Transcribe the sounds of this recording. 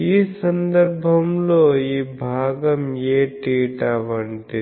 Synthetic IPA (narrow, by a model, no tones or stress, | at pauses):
isɐnd̪ɐɾbʱɐmloːibʱaːɡɐmjeːʈiːʈaːʋɐɳʈi